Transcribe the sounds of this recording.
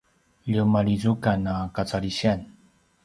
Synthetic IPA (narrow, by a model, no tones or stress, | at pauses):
ʎumaɭizukanakat͡saɾiɕian